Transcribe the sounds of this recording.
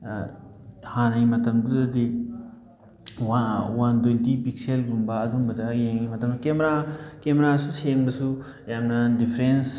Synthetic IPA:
hanajmɐtɐmduzɐdi | wawandoldipik̚selɡumbɐːduŋbɐdɐjeŋjmɐtɐmsukemɾakemɾasuseŋbɐsu | jamnɐdipʰɾens

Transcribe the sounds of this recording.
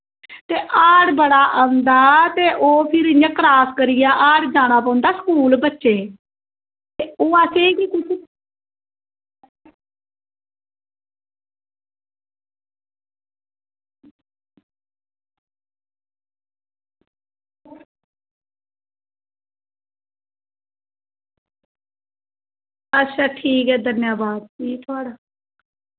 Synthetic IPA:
t̪eːʔaːɽbəɽaːʔəːʊ̃nd̪aːt̪eːʔoːpʰɪɾɪɲə̃kɾaːskəɾɪjaːʔaːɽd͡ʒaːɽ̃aːp̬ãːʊ̃nd̪aːsə̥kuːlbətːʃeː | t̪eːoːaːseːkiːku | ətːʃʰaːʈʰiːkɛːd̪ənjaːbaːd̪̚d͡ʒiːt̪ʰʊaːɽaː

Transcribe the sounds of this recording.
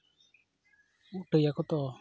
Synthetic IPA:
uʈəjakɔt̪ɔ

